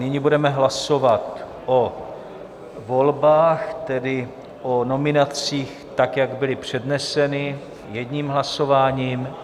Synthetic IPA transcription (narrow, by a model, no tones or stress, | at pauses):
nɪɲibudɛmɛɦlaso̞vat̪ | ʔo | vo̞lbaːxt̪ɛdɪ | ʔono̞mɪnat͡siːx | t̪akjaɡbɪlɪpr̝̥ɛdnɛsɛnɪ | jɛdɲiːmɦlasovaːɲiːm